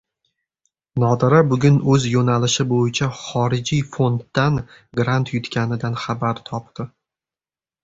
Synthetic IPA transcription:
nɒd̪ɪɾabʊɡʲʊnɵzjonalɪʃɪbojɪt͡ʃʰaχɒɾɪd͡ʒijfo̞nt̪ːanɡɾant̪ʰjʊt̪kʲʰanɪd̪anχabaɾt̪ʰɒp̚t̪ɪ

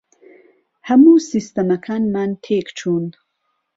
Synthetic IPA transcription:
hamusist̪ɐmɐkʰanmantʰekt͡ʃʰund̪

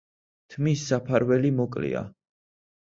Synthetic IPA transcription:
t̪ʰmisːapʰaɾwɛlimɔkʼlḭa̰

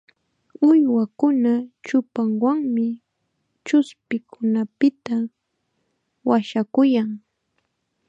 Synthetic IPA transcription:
ʊjwakʊnat͡ʃʊpaŋwaŋmɪ | t͡ʃʊspɪkʰʊnapɪt̪a | waʃakʊjaŋ

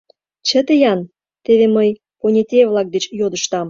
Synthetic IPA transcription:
t͡ɕə̆t̪əjɑn | t̪eβeməj | konʲet̪ʲeβlˠɑk̚d̪et͡ɕjod̪əʃt̪ɑm

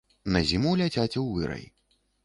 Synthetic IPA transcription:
nɐzʲimulʲat͡sʲat͡sʲɛwvɨɾɐ̰j

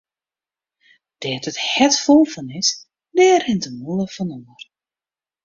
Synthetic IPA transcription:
d̥ɛːtəthɛtfolˠfɔnɪs | dɛːrhɪntəmolˠəfɔnɔmər

